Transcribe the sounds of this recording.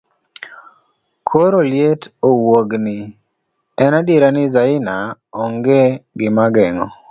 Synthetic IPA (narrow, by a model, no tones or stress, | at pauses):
kʰoɾoljetowoɡnɪ | ɛnadeɾanɪzaɪnaɔŋɡeɡɪmaɡɛŋɔ